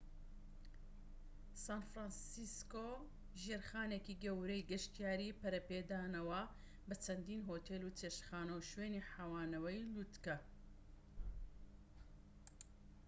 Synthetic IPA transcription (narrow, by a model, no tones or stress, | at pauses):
saːnfɾansisko | ʒeːɾxaːnekiːɡɐwɾejɡɐʃt̪ijaːɾiːpɐɾɐped̪aːnɐwɐ | bɐt͡ʃʰɐnd̪iːnɦoːt̪ʰelut͡ʃeʃxaːnɐwʃweːniħaːwaːnɐwɐjlut̪kɐ